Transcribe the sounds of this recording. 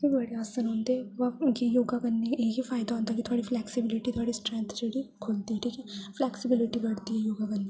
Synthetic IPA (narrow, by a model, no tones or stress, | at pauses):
kibɐɽeaːsənɦõːnd̪eɦɛʋɐjejoːɡakɐnːekifaːɪd̪aɦõːnd̪akit̪ʰoaːɽiflɛːksɪbɪlɪʈit̪ʰoaːɽisʈɾɛ̃nt̪ʰd͡ʒeɽikʰoːlt̪iɦɛʈʰiːkɛːflɛːksɪbɪlɪʈibɐɽt̪iɦɛjoːɡakɐnd̪e